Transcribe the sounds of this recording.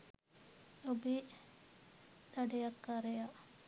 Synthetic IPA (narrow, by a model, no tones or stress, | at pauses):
obi | d̪̥ɐɖejɐkːaɾeja